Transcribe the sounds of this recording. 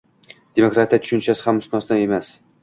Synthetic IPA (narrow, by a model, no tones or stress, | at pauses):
d̪̥e̞mokɾat̪ʰijat̪ʰʊ̥ʃʊnt͡ʃʰasɪhamʊsnɒst̪ane̞mas